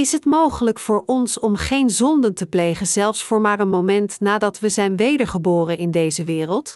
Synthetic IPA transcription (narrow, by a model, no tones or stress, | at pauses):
ɪsɦətmowχələkfʊːɹɔnsɔmχejnzɔndəntəplejχənzɛlˠfsfʊːɹmaːrənmowmɛntnaːdɑtʋəzɛjnʋejdəɹχəbʊːrənɪndejzəʋɪːrəlˠt